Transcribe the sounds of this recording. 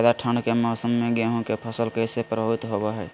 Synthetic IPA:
d̪aʈʰəɳɖkemɔːsəmːeɡeɦũkepʰəsəlkeɪsepɾəbʱəʋit̪ɦobeɦɛː

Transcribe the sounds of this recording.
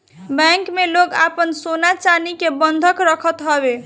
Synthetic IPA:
bɛŋkmelokapənsonat͡ʃanikebənd̪ʱəkɾʌkʰət̪ɦʌbe

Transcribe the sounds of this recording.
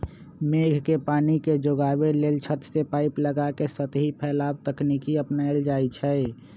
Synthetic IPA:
meɡʱkepaːniked͡ʒoɡabelelt͡ʃʰət̪sepaɪpləɡakesət̪ɦipʰɛːlabt̪əknikiəpnaɪld͡ʒaːjt͡ʃʰɛ

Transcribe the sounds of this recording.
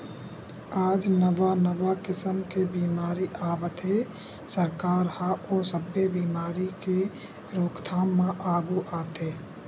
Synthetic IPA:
aːd͡ʒnəʋanəʋakɪsəmkebiːmaːɾiʔaːʋət̪e | səɾkaːɾhaoːsəbebiːmaːɾike | ɾoːkʰt̪ʰaːmːãʔaːɡuʔaːt̪eː

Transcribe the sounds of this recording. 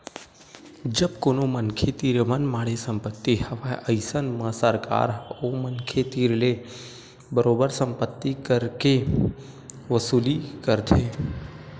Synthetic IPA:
d͡ʒəbkoːnomənkʰet̪iɾmənmaːɽesə̃mpət̪ːihəʋaʔəɪsənmə̃səɾka̰ːɾomənkʰet̪iːɾle | bəɾobəɾsəmpət̪ːikəɾke | ʋəsuːlikəɾt̪ʰe

